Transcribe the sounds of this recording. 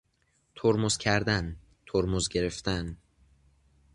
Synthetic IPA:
t̪ʰoɾmoz̥cʰæɾd̪æn | t̪ʰoɾmozɟe̞ɾe̞ft̪æn

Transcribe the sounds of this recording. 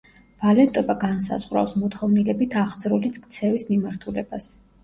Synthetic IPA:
v̥alɛt̪ʼɔbaɡansa̰zʁwɾa̰fsmɔt̪ʰχɔvnilɛbit̪ʰaʁd̪zɾulit̪skʼt̪sʰɛvismimaɾt̪ʰulɛ̰b̥as

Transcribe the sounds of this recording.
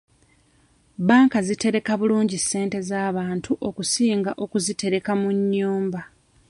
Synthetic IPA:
baːŋkazite̞ɾe̞kaβuluːɲɟisːe̞ːnte̞zaːβaːntʰuʔo̞kusiːŋɡaʔo̞kuzite̞ɾe̞kamuɲːuːmba

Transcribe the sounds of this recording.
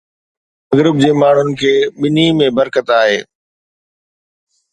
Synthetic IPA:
ɐɡɾɪb̚d͡ʑeːmaːɳ̤ʊnɪ̆kʰeːɓɪnimẽbəɾkət̪aːɦeː

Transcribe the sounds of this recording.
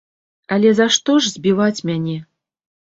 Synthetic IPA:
ɐlʲɛzaʂt̪ɔʐzʲbʲivat͡sʲmʲanʲɛ

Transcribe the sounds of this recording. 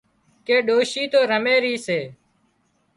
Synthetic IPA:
keːɗoːʃiːt̪oːɾəmeːɾiːseː

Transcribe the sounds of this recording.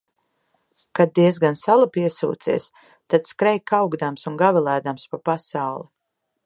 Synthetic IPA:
kad̪̚d̪iɛzɡansalˠapiɛsṵːt̪sḭːs | t̪ad̪skɾɛjkːawɡd̪amsunɡavilˠæːd̪amspapasawlˠi

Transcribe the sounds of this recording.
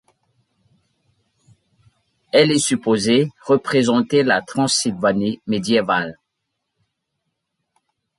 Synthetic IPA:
ɛlɛsypozeʁəpχezɑ̃t̪elat̪χɑ̃silvanimed̪jeval

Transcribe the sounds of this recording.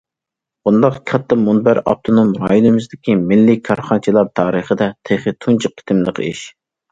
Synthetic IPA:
bund̪ɑqkʰɑt̪ʰːɑmunbæɾɑ̰p̚t̪ʰonomɾɑjunɨmɪzd̪ɪkʲimɪlːɪkʰɑɾχɑnt͡ʃʰilˠɑɾt̪ʰɑːɾəχəd̪ɛt̪ʰeχɨt̪ʰunt͡ʃʰiq̚ʰːɪ̥t̪ʰɪmlˠəqʰḭʃ

